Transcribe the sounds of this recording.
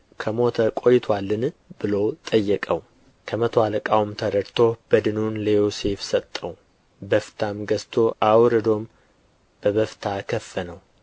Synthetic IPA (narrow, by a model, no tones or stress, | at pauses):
kʰəmo̞t̪ʰəkʷʼo̞jɪt̪ʰwalːɨnbɨlowt̪ʼəjːɛkʼəw | kʰəmət̪ʰoaləkʼawumt̪ʰəɾəɾt̪ʰo̞b̥əd̪ɨnunləjose̞fsət̪ʼːəw | bəft̪ʰamɡəst̪ʰo̞ʔawɾɨd̪o̞m | b̥əβəft̪ʰakʰəfːənəw